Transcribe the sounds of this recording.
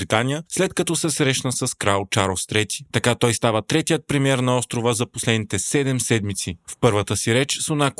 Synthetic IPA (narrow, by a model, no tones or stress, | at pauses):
ɾit̪anʲijəslɛt̪kɐt̪ɔsɛsɾɛʃnəsɐskɾalˠt͡ʃaɾlˠst̪ɾɛt̪i̥t̪ɐkat̪ɔjst̪avət̪ɾɛt̪ijət̪̚pɾimɛɾnɐɔst̪ɾovəzɐposlɛd̪nit̪ɛsɛd̪ɛmsɛd̪mit̪sifpɤɾvət̪əsiɾɛt͡ʃsonak